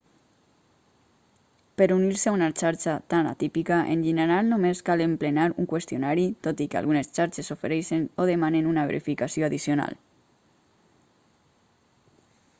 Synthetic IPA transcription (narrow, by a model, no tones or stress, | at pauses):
peɾuniɾseaunat͡ʃaɾt͡ʃat̪ana̰t̪ipikaʔḛnʒeneɾalˠnomeskalemplenaɾuŋkwest̪ijonaɾit̪ot̪ikea̰lɣunest͡ʃaɾt͡ʃesofeɾɛʃenoðemanenunaβ̞ḛɾḭfikasjoaðisjona̰l